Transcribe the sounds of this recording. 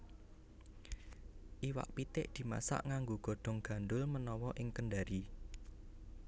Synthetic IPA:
ʔiwa̰ʔpit̪ɪʔd̪̥i̤ma̰sa̰ʔŋaŋɡoɡ̥o̤ɖ̥ɔ̤ŋɡ̥a̤nɖ̪ʊlmənɔwɔʔɪŋkənɖaɾi

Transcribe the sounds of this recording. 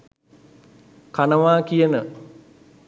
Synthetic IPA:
kanəʋaːkijənə

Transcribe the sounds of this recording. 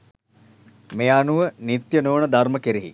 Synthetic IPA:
meːanuʋənit̪jənoːnəd̪arməkeɾiɦḭ

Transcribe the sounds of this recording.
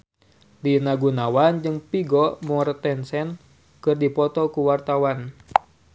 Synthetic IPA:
dinaɡunawand͡ʒɨŋpiɡɔmɔrt̪ɛnsɛn | kɨrdipɔt̪ɔkuwart̪awan

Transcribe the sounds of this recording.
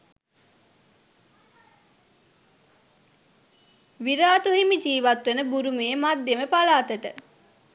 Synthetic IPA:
ʋiɾaːt̪uɦimid͡ʒiːʋat̪ʋenəbuɾumeːmad̪jeməpalaːt̪əʈə

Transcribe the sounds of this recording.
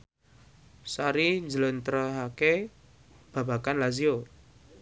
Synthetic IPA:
saɾiɲd͡ʒələnt̪ɾəɦake | b̥a̤bakanlazio

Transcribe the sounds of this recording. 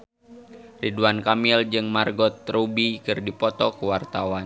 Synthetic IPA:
riduankamild͡ʒɨŋmarɡɔt̪ɾubikɨrdipɔt̪ɔkuwart̪awan

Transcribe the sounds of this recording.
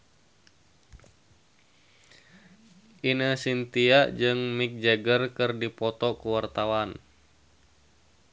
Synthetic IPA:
inəsint̪iaʔd͡ʒɨŋmik̚d͡ʒəɡərkɨrdipɔt̪ɔkuwart̪awan

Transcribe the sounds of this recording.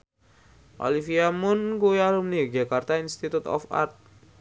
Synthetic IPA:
ʔo̰lifiamʊnkuialumniɡekart̪ainst̪it̪ut̪ɔ̰fa̰rt̪̚

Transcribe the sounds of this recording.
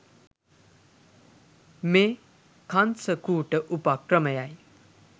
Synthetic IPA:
meː | kʰansəkuːʈəʔupakɾəməjaj

